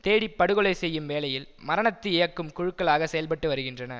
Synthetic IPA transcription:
t̪eːɽɪpːɐɽɯɣɯɭɐɪsɛjːɯmʋeːlɐjɪlmɐɾɐɳɐt̪ːɯɪjɐkːɯmkʊɻɯkːɐɭaːɣɐsɛjɐlpɐʈːɯʋɐɾɯɣɪndrɐnɐ̰

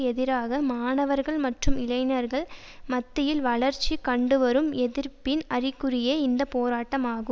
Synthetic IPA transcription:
ɛðɪɾaːɣɐmaːnɐʋɐɾɣɐɭmɐʈrɯmɪlɐɪnɐɾɣɐɭ | mɐt̪ːɪjɪlʋɐɭɐɾt͡ʃːikɐɳɖɯʋɐɾɯmɛðɪɾpɪnɐrɪkːɯrɪjeːɪnd̪ɐpoːɾaːʈːɐmaːɣɯ

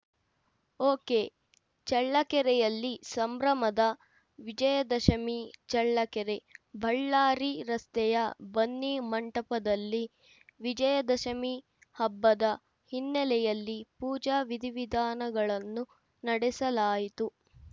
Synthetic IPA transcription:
oːkeː | t͡ʃɐɭːɐkɛɾɛjɐlːisɐmbɾɐmɐd̪ɐ | ʋid͡ʒɐjɐd̪ɐʃɐmit͡ʃɐɭːɐkɛɾebʱɐɭːaːɾiɾɐst̪ɛjɐbɐnːimɐɳʈɐpɐd̪ɐlːi | ʋid͡ʒɐjɐd̪ɐʃɐmi | hɐbːɐd̪ɐ | hinːɛlɛjɐlːipuːd͡ʒaːʋid̪ʱiʋid̪aːnɐɡɐɭɐnːu | nɐɽɛsɐlaːjit̪u

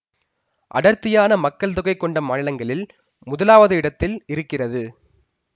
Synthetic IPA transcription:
ʔɐ̰ɽɐɾt̪ːɪjaːnɐmɐkːɐɭt̪̬ʊɣɐɪkːɔɳɖɐmaːnɪlɐŋɡɐɭɪl | mʊðɐlaːʋɐðɯɪɽɐt̪ːɪlɪɾɯkːɪrɐðɯ

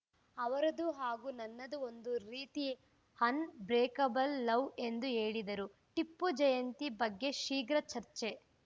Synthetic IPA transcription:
ɐʋɐɾɐd̪uɦaːɡuːnɐnːɐd̪uo̞nd̪uɾiːt̪i | hɐnbɾeːkɐbɐlːɐwe̞nd̪uɦeːɭid̪ɐɾu | ʈipːud͡ʒɐjɐnt̪ibɐɡːe̞ʃiːɡɾɐt͡ʃɐɾt͡ʃe̞

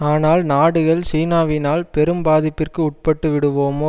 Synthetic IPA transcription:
aːnaːlnaːɽɯɣɐɭsiːnaːʋɪnaːlpɛɾɯmbaːðɪpːɪrkɯʊʈ̚pɐʈːɯʋɪɽɯʋoːmoː

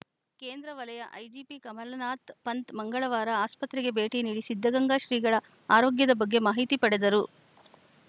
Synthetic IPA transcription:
keːnd̪ɾɐʋɐlɐjɐʔɐjd͡ʒiːpikɐmɐlnaːt̪pɐnt̪mɐŋɡɐɭɐʋaːɾɐaːspɐt̪ɾɛɡe̞be̞ːʈiniːɽisid̪ʱːɐɡɐŋɡaːʃɾiːɡɐɭɐ | aːɾoːɡjɐd̪ɐbɐɡːe̞maːɦit̪ipɐɽed̪ɐɾu

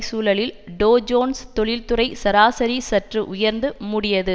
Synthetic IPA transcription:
suːlɐɭɪlɖoːd͡ʒoːnst̪ɔɭɪlt̪ʊrɐɪsɐɾaːsɐɾisɐʈrɯʔʊjɐɾnd̪ɯmʊɽɪjɐðɯ

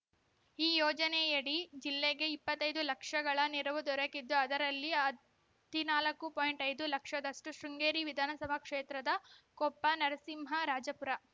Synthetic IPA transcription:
iːjɔːd͡ʒɐnejɐɽid͡ʒilːeɡe̞ipːɐt̪ːɐjd̪ulɐkʂɐɡɐɭɐniɾɐʋud̪ɔɾɐkid̪ːuɐd̪ɐɾɐlːiɐ | t̪inaːlɐkːupoːjɳʈɐjd̪ulɐkʂɐd̪ɐʂʈuʃɾuŋɡeːɾiʋid̪ʱaːnɐsɐbʱɐkʂeːt̪ɾɐd̪ɐkɔpːɐnɐɾɐsimɦɐɾaːd͡ʒɐpuɾɐ

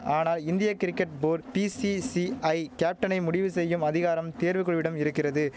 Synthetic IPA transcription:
aːnaːlɪnd̪ɪjɐkɪɾɪkːɐʈ̚boːɾpisisiɐɪkaːp̚ʈːɐnɐɪmʊɽɪʋɯsɛjːɯmɐðɪɣaːɾɐmt̪eːɾʋɯkːɯɭʋɪɽɐmɪɾɯkːɪrɐðɯ

